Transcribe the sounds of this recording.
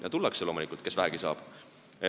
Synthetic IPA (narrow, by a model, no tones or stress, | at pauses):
jɑ̰t̪ulːɑkselo̞ːmulikːˑult̪̚kesvæɦæɡ̥isɑ̰ːb̥